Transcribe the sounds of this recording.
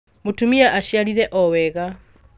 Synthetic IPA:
mutumiaʔaʃialiɾeʔɔweɣa

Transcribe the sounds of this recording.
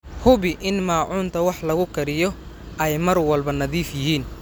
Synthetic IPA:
hʊβɪʔɪnmaːʕuːnt̪ʰɐwɑħlɐɣʊkʰɐɾɪjɔ | ʔɛjmɐrwɐlbɐnɐðiːfjɪɦiːn

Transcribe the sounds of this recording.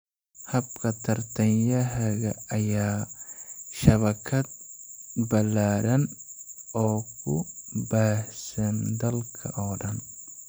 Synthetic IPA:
hɐbkʰɐt̪ʰɐrt̪ʰɐnjɐɦɐɣɐɐjaː | ʃɐβɐkʰɐd̪̚ | bɐlːaːɾɐn | ɔːkʰʊ̰baːhsɐnd̪ɐlkʰɐ̰ʔɔːɖɐn

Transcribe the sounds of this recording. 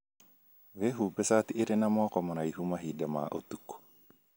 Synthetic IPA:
weɦubɛsat̪iiɾenamɔkɔmɔnaihumaɦidama̰ʔo̰t̪ukːo̥

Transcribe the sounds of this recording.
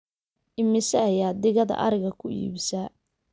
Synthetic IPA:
ʔɪmɪsɛɐjaːd̪ɪɣɐðɐ̰ʔɐ̰ɾɪɣɐkʰʊḭːβɪsa

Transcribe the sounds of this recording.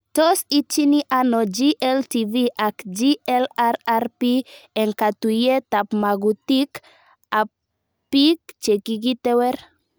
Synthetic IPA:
tɔsit͡ʃiniʔanɔd͡ʒiʔɛltiviʔakd͡ʒiɛlaɾaɾpieŋkat̪ujet̪apmaɡut̪ik | ap̚ | pik̚t͡ʃekikit̪ɛwɛɾ

